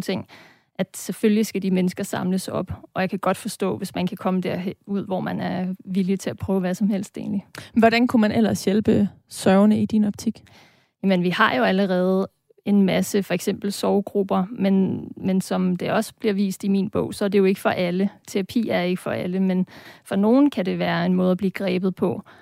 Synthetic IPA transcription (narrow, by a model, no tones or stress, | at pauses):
t͡sʰe̝ŋ̰ | æd̥seføljisɡ̥æd̥imenəsɡ̥ɐsɑ̈mləsɒ̽b̥ʔɒ̽jɑ̈kʰæɡ̥ɒ̽d̥fɒ̽sd̥ɔ̰̽ːʋe̝smænkʰækʰɒ̽məd̥æɐ̰ɦuð̞̰ˠʋɒːmænæɐʋilit͡sʰe̝æpʰʁœːʊʋæsɒ̽mhel̰sd̥ḛːnliʋɒɾænkʰumænʔel̰ɐsjelb̥ə | sœʊnəid̥inɒ̽b̥̚t͡sʰiɡ̥ | jæmənʋihɑ̈jo̝æləʁɛːð̞̩ˠ | e̝nmæsəfɒ̽eɡ̥sem̰b̥l̩sɒʊɡ̥ʁub̥ɐmenmensɒ̽md̥e̝ʔɒ̽sə̥b̥liɐʋḭːsd̥imiːnb̥ɔ̽ʊ̰sɒ̽æd̥e̝jo̝e̝ɡ̥əfɒ̽ʔælət͡sʰe̝ʁɑpʰḭːæɐe̝ɡ̥əfɒ̽ʔæləmenfɒ̽no̝ːn̩kʰæde̝ʋæːɐe̝nmɔ̽ːð̞ˠɐb̥liːɡ̥ʁɛːb̥ð̩ˠpʰɒ̽